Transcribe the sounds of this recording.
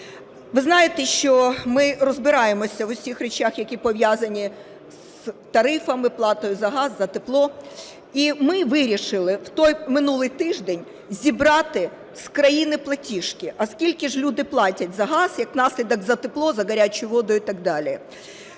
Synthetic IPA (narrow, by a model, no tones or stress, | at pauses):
ʋɪznɑjet̪ɛʃt͡ʃɔmɪrɔzbɪɾɑjemɔsʲɐwʊsʲixrʲet͡ʃaxjɐkʲipɔʋʲjazɐnʲi | s | t̪ɐɾɪfɐmɪplˠɑt̪ɔjʊzɐɦɑzːɐt̪eplˠɔ | imɪʋɪɾʲiʃɪlˠɪwt̪ɔjmɪnulˠɪjt̪ɪʒd̪enʲ | zʲibɾɑt̪ɪ | skɾɐjinɪplˠɐtʲiʃkʲɪʔɐskʲilʲkɪʒlʲud̪ɪplˠɑtʲɐtʲzɐɦɑz̥jɐknɑsʲlʲid̪ɐɡzɐt̪ɪplˠɔzɐɡɐɾʲat͡ʃʊjʊʋɔd̪ʊjit̪ɑɡ̚d̪ɑlʲi